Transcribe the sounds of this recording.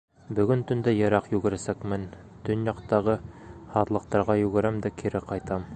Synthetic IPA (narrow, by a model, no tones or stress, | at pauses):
bɵ̆ɡɵnt̪ɵ̆nd̪æjɤ̆ɾɑqjʉɡɘ̆ɾɘsækmɘn | t̪ɵnjɑqt̪ɑʁɤhɑðlˠɤ̆qt̪ɑɾʁɑjʉɡɘ̆ɾæmd̪ækʰiɾɘqɑjt̪ɑm